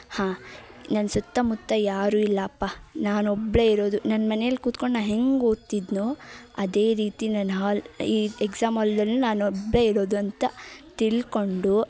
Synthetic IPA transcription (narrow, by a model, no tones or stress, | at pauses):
hãː | nɐnːɐsut̪ːɐmut̪ːɐjaːɾuːilːɐːpːanaːnɔbɭe̞iɾo̞ːd̪unɐnːmɐnejɐlːikuːt̪koɳnanɦe̞ŋɡoːt̪id̪noːɐd̪e̞ːɾiːt̪inɐnɦaːliːeksaːmɐld̪ɐlːunaːnɔbɭe̞iɾo̞ːd̪uɐnt̪ɐt̪iɭko̞ɳɖu